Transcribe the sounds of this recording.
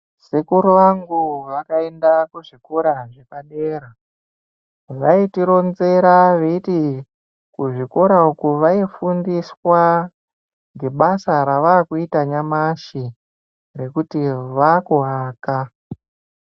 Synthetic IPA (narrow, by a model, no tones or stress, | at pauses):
sekuɾuʋaŋɡuʋakae̞ndakuʐikoɾaʐepaɗeːɾa | ʋaitiɾo̞nze̞ɾaʋeiti | kuʐikoɾaukuʋaifundiswa | ŋɡe̞ɓasaɾaʋakuitaɲamaʃi | re̞kutiʋakuɦaːka